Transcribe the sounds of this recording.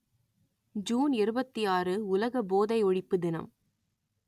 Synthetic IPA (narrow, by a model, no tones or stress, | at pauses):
d͡ʒuːnɪɾɯbɐt̪ːijaːrɯʊlɐɣɐboːðɐɪɔɻɪpːɯd̪ɪnɐ̰m